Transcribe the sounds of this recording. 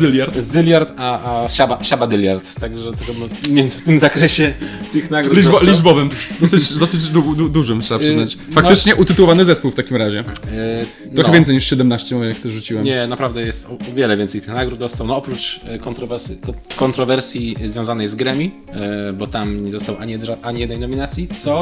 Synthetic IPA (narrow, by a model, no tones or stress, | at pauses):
zɘlʲjaɾt̪zɨlʲjaɾt̪aaɕabaɕabad̪ɛlʲjaɾt̪ːaɡʐɛt̪ɔɡɔmmʲjɛnft̪ɘmzakɾɛɕɛt̪ɨxnaɡɾudlʲiblʲiʐbɔvɘmd̪ɔsɪt͡ɕd̪ɔsɘd͡ʑd̪ud̪ud̪uʐɨmtʂɛbapʂɘat͡ɕfak̪ɘt͡ʂɲɛʔut̪ɘt̪uwɔvanɘzɛspuwft̪akʲimɾaʑɛ | t̪ɾɔxɛvʲɛnsɛjɲiʂɕɛd̪ɛmnaɕt͡ɕɛjakt̪ɛʐut͡ɕiwɛmɲɛnapɾavd̪ɛjɛst̪ɔɔvʲjɛlɛvʲjɛnsɛjt̪ɘ̥xnaɡɾud̪̚d̪ɔst̪awnɔɔpɾut͡ʂkɔnt̪ɾɔvɛɾskɔkɔnt̪ɾɔvɛɾsʲjizvʲjɔ̃w̃zanɛjzɡɾɛmʲi | bɔt̪amɲɛzɔst̪awʔaɲiɛʐaʔaɲijɛd̪njnɔmʲinat̪sʲjit̪sɔ